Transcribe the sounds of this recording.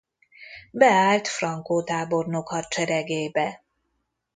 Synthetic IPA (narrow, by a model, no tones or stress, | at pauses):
bɛaːlt̪frɒŋkoːt̪aːbo̞rnokhɒt̪t͡ʃɛɾɛɡeːbɛ